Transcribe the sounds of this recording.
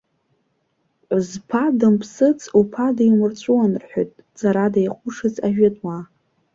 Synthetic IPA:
zpʰadɨmpʰsɨt͡sʰʼupʰadajmɨrt͡ɕʷʼuwanrħʷotʼ | t͡saɾadajqʷʊʂɨt͡sʼaʒᶣɪtʼwa

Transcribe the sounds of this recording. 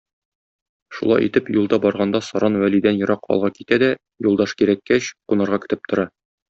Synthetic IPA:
ʃṵlˠɑ̰jḭt̪ɘpjulˠd̪ɑbɒɾʁɑnd̪ɑsɒɾɑnwælid̪ænjŏɾʔɑqɒ̰lˠʁɑkit̪æd̪æ | julˠd̪ɑʃkiɾækːæɕqunɑɾʁɑkɘ̥̆t̪ɘp̚t̪ŏɾɑ

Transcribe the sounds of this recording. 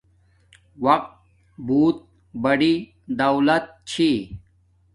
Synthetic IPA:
wɐq̚t̪ | buːt̪̚ | bɐɽi | d̪ɐwlɐt̪̚t͡ɕʰi

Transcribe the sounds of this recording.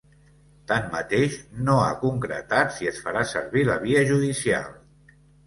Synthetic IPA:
t̪amːət̪eʃnoa̰kuŋkɾə̰t̪at̪siəsfəɾasəɾβiləβ̞iəʒuðisia̰lˠ

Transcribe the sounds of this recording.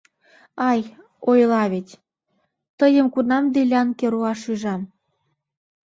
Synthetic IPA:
ɑj | ojlɑβetʲ | t̪əjə̆mkunɑmd̪elʲɑnkeɾuɑʃyʒɑm

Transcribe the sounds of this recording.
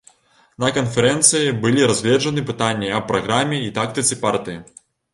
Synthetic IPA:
nɐkɐnfʲɛɾɛnt̪sɨjibɨlʲiɾazʲɣlʲɛd͡ʐɐnɨpɨt̪anʲːiɐpɾaɣɾamʲɛit̪akt̪ɨt̪sɨpart̪ɨji

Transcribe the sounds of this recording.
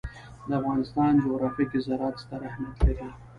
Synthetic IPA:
d̪əafɣɑnɪst̪ɑnd͡ʒoɣɾɑfikizaɾɑt̪st̪aɾahmat̪laɾi

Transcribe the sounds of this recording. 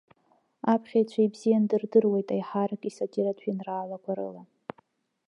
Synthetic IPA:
apʰχʲajt͡ɕʷʰajbzijandɨrdɨrwe̞jtʼajħaɾakʼisatʼiɾatʰʷᶣinraːlaɡʷaɾɨ̰la

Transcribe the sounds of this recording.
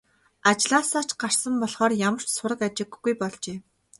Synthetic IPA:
at͡ɕɮaːsaːt͡ɕɢar̥sə̆mpɔɮχɔːrjamə̆r̥t͡ɕsʊɾə̆kat͡ɕɪ̆ɣːujpɔɮt͡ɕeː

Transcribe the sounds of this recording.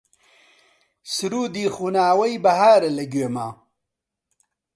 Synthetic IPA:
sɾuːd̪iːxunaːwɐjbɐɦaːɾɐlɐɡeːmaː

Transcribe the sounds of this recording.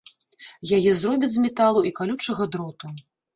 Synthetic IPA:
jajɛzɾɔbʲɐd͡zʲzʲmʲɛt̪alˠuʔikalʲut͡ʂɐɣɐd̪ɾɔt̪u

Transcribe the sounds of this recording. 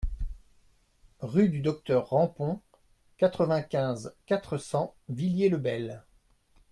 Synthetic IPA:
ʁyd̪yd̪ɔk̚t̪œʁːɑ̃pɔ̃ | kat̪χəvɛ̃kʲɛ̃zkat̪χəsɑ̃viljeləbɛl

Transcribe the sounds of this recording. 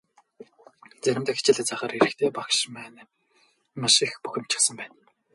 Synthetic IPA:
t͡sæɾʲɪ̆mt̪ăxʲi̥t͡ɕɪ̆ɮĕːt͡saχaːɾeɾɘ̆xt̪ʰeːpakʃmæːn | maʃixpu̥xʲɪ̆m̥t͡ɕɪ̆ksə̆mpæːn

